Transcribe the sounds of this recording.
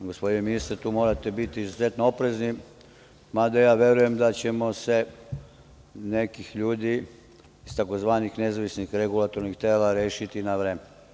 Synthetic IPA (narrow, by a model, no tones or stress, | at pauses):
ɡospo̞d̪ineminist̪ɾt̪uːmo̞ːɾat̪ebit̪iːzuze̞t̪noopɾe̞zni | mad̪ajaːʋje̞ɾuje̞md̪at͡ɕe̞mo̞se̞ | ne̞kixʎuːd̪iː | st̪ako̞zʋaːnixne̞zaʋisnixɾeɡulat̪o̞ɾnixt̪eːlaɾeːʃit̪inaʋɾeːmen